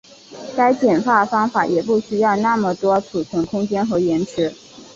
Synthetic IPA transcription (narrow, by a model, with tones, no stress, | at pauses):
ka˥ɪt͡ɕjɛ˨˩nfa˥˩fɑ˥ŋfa˧˩˥jɛ˨˩pu˥˩ɕy˥jɑ˥˧ʊna˥˩mə˨˩t̪wɔ˥ʈ͡ʂʰu˨˩t͡sʰɤ˧˥ŋkʰʊ˥ŋt͡ɕjɛ˥nxɤ˧˥jɛ˧˥nʈ͡ʂʰɻ̩˧˥